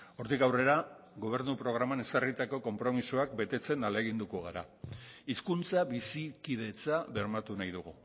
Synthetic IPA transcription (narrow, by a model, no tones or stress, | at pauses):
o̞ɾt̪ikawre̞ɾa | ɣo̞β̞e̞ɾnupɾo̞ɣ̞ɾamane̞skarit̪ako̞ko̞mpɾo̞misuakbe̞t̪e̞t͡se̞naleɣ̞ind̪uko̞ɣ̞aɾa̰iskunt͡saβisikiðe̞t͡saβe̞ɾmat̪unajðuɣ̞u